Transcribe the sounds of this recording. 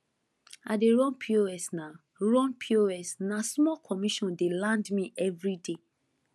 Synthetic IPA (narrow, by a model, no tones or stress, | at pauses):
adeɹɔ̃npʰioɛsna | ɹɔ̃npʰioɛsnasmɔkʰɔmiʃɔ̃ndelãndmĩʔɛvɹide